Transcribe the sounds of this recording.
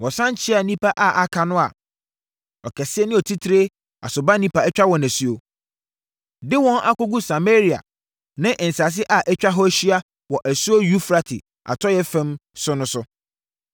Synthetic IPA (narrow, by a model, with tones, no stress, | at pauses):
wɔ̃˨sã˦n˦t͡ɕʰɪ˦a˨nĩ˦pʰa˦ʔa˨ʔa˨kʰa˨nʊ̃˦a̰˨ | ɔ˨kʰɛ˨sɪ˦ɛ˦nɪ̃˦ɔ˨tʰi˦tʰɾe˦ | a̰˨sʊ˨ba˦nĩ˦pa˨ɛ˦t͡ɕᶣa˦wɔ̃˨næ˨su˦o˨ | dɪ˦wɔ̃˦nʔa̰˦kʊ˦ɡu˦sa˨me˦ɾi˨a̰˨ | nɪ̃˦ʔɪ̃˨n̩˨sa˨s̬ɪ˦ʔa˨ʔɛ˦t͡ɕᶣa˦ɦɔ˦æ˦ɕi˦a˦ | wɔ˨ʔæ˨su˦o˦ju˦fɾa˨tʰɪ̰˨ | a̰˨tʰɔ˦jɛ˦fɛ̃˦msʊ˦nʊ̃˦sʊ˦